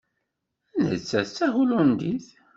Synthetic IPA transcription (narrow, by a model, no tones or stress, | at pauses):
ænə̰t͡sːæt͡sːæʁulund̪iθ